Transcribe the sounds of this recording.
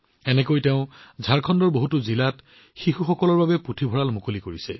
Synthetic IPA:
ɛnɛkojteʊ̃zʱaɹkʰɔndɔɹboɦutʊzilat | xixuxɔkɔlɔɹbabɛputʰibʱɔɹalmukolikoɹisɛ̰

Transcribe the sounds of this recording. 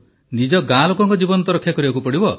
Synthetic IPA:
nid͡ʒɔɡãlɔkɔŋkɔd͡ʒibɔnɔt̪̬ɔɾɔkʰːjakɔɾibakupɔɽibɔ

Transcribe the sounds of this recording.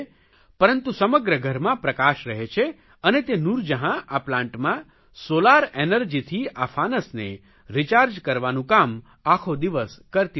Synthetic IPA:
pəɾənt̪ũsəməɡɾəɡʱəɾmãpɾəkaʃɾəɦet͡ʃʰe | ənet̪enuɾd͡ʒəɦãʔaplãɳʈmã | solaɾenəɾd͡ʒit̪ʰiafʰanəsne | ɾit͡ʃaɾd͡ʒkəɾʋanũkam | akʰod̪iʋəskəɾt̪i

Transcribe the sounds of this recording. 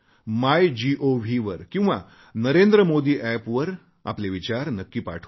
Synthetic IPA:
majd͡ʑiʔoʋʱiʋəɾkĩw̃ʋa̰ | nəɾend̪ɾəmod̪iːʔæpʋəɾ | a̰pleʋit͡ɕaɾnəkːiːpa̰ʈʰː

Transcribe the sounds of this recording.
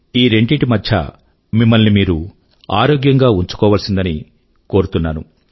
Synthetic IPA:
iːɾe̞ɳɖiʈimɐdt͡ʃʰɐ̰ | mimːɐlnimiːɾu | aːɾoːɡjɐŋɡaːuɲt͡ʃu̥kɔːʋɐlsind̪ɐni | ko̞ːɾut̪unːaːnu

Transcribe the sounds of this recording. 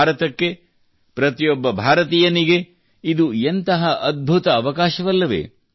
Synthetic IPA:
ɾɐt̪ɐkːe | pɾɐt̪ijɔbːɐbʱaːɾɐt̪̬iːjɐniɡe | id̪uent̪ɐɦɐʔɐd̪̚bʱut̪ɐːʋɐkaːʃɐʋɐlːɐʋḛː

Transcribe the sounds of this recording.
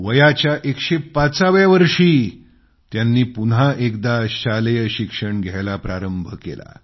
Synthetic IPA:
ʋəjat͡ɕjaʔekɕepat͡saʋjaʋəɾʂiː | t̪janːiːpunɦaʔek̚d̪aɕaləjəɕikʂəɳɡʱjajlapɾaɾəmbʱəkḛla̰

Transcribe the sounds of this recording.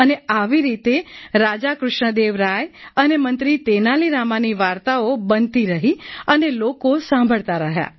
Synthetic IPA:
əneaʋiɾit̪eɾad͡ʒakɾʊʃɳəd̪eʋɾajənemənt̪ɾit̪enaliɾamaniʋaɾt̪aobənt̪iɾəɦiənelokosãmbʱəɭt̪aɾəɦja̰

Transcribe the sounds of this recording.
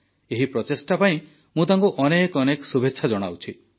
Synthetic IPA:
eɦipɾɔt̪esʈapaĩ | mũt̪aŋkuʔɔnekɔnekɔsubʱetːʃʰad͡ʒɔɽ̃a̰wt͡ʃʰi

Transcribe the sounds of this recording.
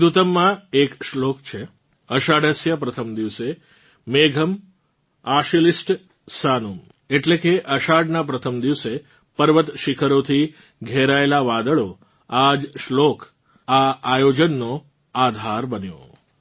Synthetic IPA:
d̪ut̪əmːãekʃlokt͡ʃʰe | əʃaɖʱəsjəpɾət̪ʰəmd̪iʋse | meɡʱəm | aʃilisʈ | sanum | eʈlekeʔəʃaɖnapɾət̪ʰəmd̪iʋse | pəɾʋət̪ʃikʰəɾot̪ʰi | ɡʱeɾaelaʋad̪əɭo | ad͡ʒʃlok | aajod͡ʒənːo | ad̪ʱaɾbənjo̰

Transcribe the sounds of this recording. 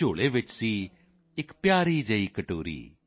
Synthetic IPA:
oːɭeːʋɪt͡ʃsiː | ɪkpjaːɾiːd͡ʒəiːkəʈoːɾḭː

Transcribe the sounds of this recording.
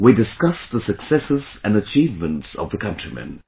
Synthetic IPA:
widɨskʌsðəsəksɛsɪzə̃nət͡ʃʰiːvmə̃ntsə̰vðəkʰʌ̃nt͡ʃɹ̥imɛ̰̃n

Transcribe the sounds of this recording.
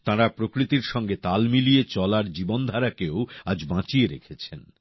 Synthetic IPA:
t̪ãɾapɾokɾit̪iɾʃɔŋɡet̪almilijet͡ɕɔlaɾd͡ʑibond̪ʱaɾakeoad͡ʑbãt͡ɕieɾḛkʰet͡ɕʰen

